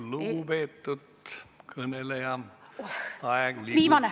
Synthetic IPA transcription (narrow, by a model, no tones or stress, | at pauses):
luːbet̪ːut̪kʰənelejɑ | ɑeɡliʋiːmɑne